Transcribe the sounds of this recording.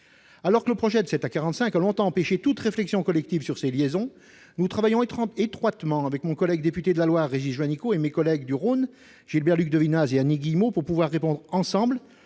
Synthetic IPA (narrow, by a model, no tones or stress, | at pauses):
alɔʁkələpχɔʒɛd̪əsɛt̪akaʁɑ̃t̪sɛ̃kalɔ̃t̪ɑ̃ɑ̃peʃet̪ut̪ʁeflɛksjɔ̃kɔlɛk̚t̪ivsyʁseljezɔ̃ | nut̪χavajɔ̃t̪χɑ̃et̪χwat̪mɑ̃avɛkmɔ̃kɔlɛɡd̪epyt̪ed̪əlalwaʁːeʒiʒwanikoemekɔlɛɡd̪yʁon | ʒ̥ilbɛʁlyk̚d̪əvinazeaniɡʲijmopuʁpuvwaʁːepɔ̃d̪ʁɑ̃sɑ̃bl